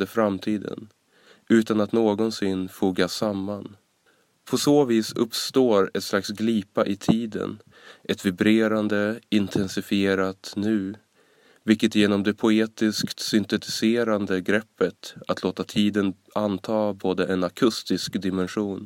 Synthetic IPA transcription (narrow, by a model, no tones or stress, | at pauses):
d̪əfɾamt̪ʰiːd̪ə̰n | ʔʉ̟ːt̪anat̪noːɡɔnsɪnːfuːɡasamːan | pʰɔsoːviːsɵ̰pst̪oːɾɛt̪st̪laksɡliːpaʔɪt̪ʰiːd̪ə̰n | ʔɛt̪vɪbɾeːɾand̪əɪnt̪ʰɛnsɪfɪeːɾat̪nʉ̟ː | vɪlkːət̪jeːnɔmd̪ɛpʰʊeːt̪ɪskt̪sʏnt̪ɛt̪ɪ̥seːɾand̪əɡɾɛpːət̪at̪ʰloːt̪at̪ʰiːd̪ən | ʔant̪ʰɑːboːd̪əʔɛnakʰɵst̪ɪskd̪ɪmɛnɧuːn